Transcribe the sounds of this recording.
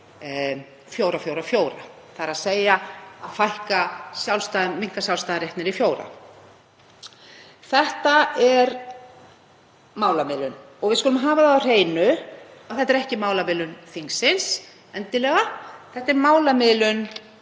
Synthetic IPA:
fjoːwɾafjowɾafjoːwɾa̰ | θaɾaðseːjaaðfajhkasjawlst̪aːðmiŋ̥kasjawlst̪aːðɾeht̪nɪɾifjoːwɾa̰ | θɛht̪aɛɾ | mawlamɪːlʏn | ɔɣvɪðskʏlʏmɦaːvaðawr̥eːjnʏaθɛht̪ɛɾɛhcɪmaːwlamɪːlʏnθiŋsɪns | ɛnt̪ɪlɛːɣaθɛht̪ɛɾmaːwlamɪːlʏn

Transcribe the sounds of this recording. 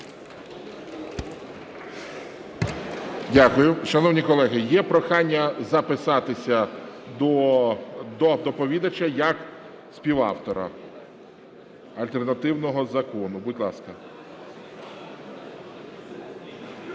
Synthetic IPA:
dʲakʊjʊʃɐnɔwnʲikɔlˠɛɦɪjɛpɾɔxɑnʲːɐzɐpɪsɑt̪ɪsʲɐd̪ɔ | d̪ɔd̪ɔpɔʋʲid̪ɐt͡ʃɐjɐk | sʲpʲiʋɑ̰wt̪ɔɾɐ̰ | ɐlʲt̪ernɐt̪ɪwnɔɦɔzɐkɔnʊbʊdʲlˠɑskɐ

